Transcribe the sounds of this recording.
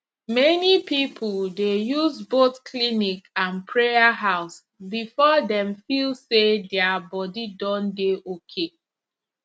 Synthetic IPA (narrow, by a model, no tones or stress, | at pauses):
mɛnipipʰuldejuzboθkʰlinikãnpʰɹeaɦaʊs | bifɔdɛ̃mfilsedɛabɔdidɔ̃ndeʔokʰe